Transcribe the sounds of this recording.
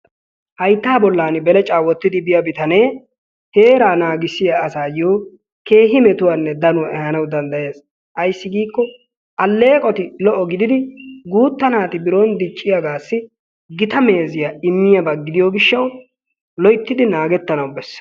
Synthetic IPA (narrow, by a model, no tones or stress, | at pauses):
hɐjt̪ːaːbɔlːaːnɪbɛlɛt͡ʃʼaːwːɔt̪ːɪd̪ɪbɪjɐbɪt̪ɐne̞ː | he̞ːɾaːnaːɡɪsːɪjaɐsaːjoː | ke̞ːɦɪmɛt̪ʊwaːnːɛd̪ɐnʊwɛhɐnɐwd̪ɐnd̪ɐje̞ːs | ʔɐjsːɪɡiːkːɔ | ʔɐlːe̞ːkʼɔt̪ɪlɔʔɔɡɪd̪ɪd̪ɪɡuːt̪ːɐnaːt̪ɪbɪɾoːnd̪ɪt͡ʃʼːɪjaɡaːsːɪ | ɡɪt̪ɐme̞ːzɪjaɪmːɪjɐbɐɡɪd̪ɪjoːɡɪʃːɐw | lɔjt̪ːɪd̪ɪnaːɡɛt̪ːɐnɐwbɛsː